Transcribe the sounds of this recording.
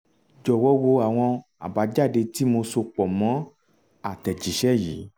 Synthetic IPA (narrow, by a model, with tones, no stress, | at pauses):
d͡ʒɔ˨wɔ˨˦wo˧a˨w̃ɔ̃˧ | a̰˨ba˨˧˦d͡ʒa˦˨de˧ti˦mo˧so˧k͡pɔ˨mɔ̃˨˦ | a˦˨tɛ˨d͡ʒi˨˦ʃɛ˦˨jiː˨˦